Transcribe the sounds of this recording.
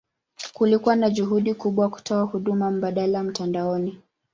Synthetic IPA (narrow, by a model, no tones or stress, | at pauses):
kulikuwanaʄuɦuɗikuɓwaku̥tʰɔahuɗumam̩ɓaɗalam̩tandaɔni